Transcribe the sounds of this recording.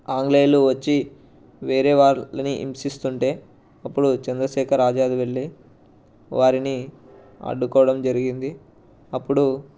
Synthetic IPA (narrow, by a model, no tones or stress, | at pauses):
aːŋɡleːluʋɐt͡ʃːi | ʋe̞ːɾe̞ːʋaːɾlɐniʔḭmsist̪uɳʈe̞ː | ɐpːuɽut͡ʃɐnd̪ɾɐʃɛːkʰɐɾːaːd͡ʒaːd̪iʋe̞ɭːi | ʋaːɾini | ɐ̰ɖːukɔːʋɐɽɐmd͡ʒɐɾiɡind̪i | ɐpːuɽu